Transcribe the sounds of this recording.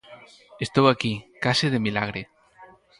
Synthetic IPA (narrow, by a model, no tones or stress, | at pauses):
est̪owakikasið̞emilaɣ̞ɾe